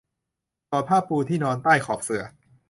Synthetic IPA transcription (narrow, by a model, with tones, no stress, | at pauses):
t̪ɔː˨˩pʰaː˥˩pːuː˧t̪ʰiː˥˩nɔː˧nt̪aː˥˩jkʰɔː˨˩p̚sɯ˨˩ɐ